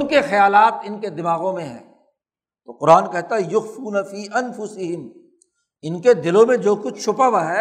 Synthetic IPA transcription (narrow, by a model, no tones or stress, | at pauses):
nkexɐjaːlaːt̪̚ɪnked̪ɪmaːɣõmẽɦɛ̰̃ː | t̪oqʊɾaːnkɛɦt̪aɦɛjʊɣfuːnɐfiːʔɐnfʊsɪɦɪm | ɪnked̪ɪlõmẽd͡ʒoːkʊt͡ʃʰt͡ʃʰʊpaʋaɦɛː